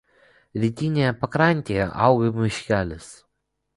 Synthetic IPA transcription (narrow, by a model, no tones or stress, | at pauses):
ɾʲiːt̪ʲinʲejɛpɐkɾɑˑnʲt̪ʲeːjɛ̰ʔɑˑʊɡɐmʲɪʃʲkʲæːlʲɪs